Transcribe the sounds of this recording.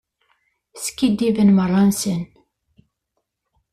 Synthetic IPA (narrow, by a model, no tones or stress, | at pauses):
skːid̪ːivənmərˤːɑnsən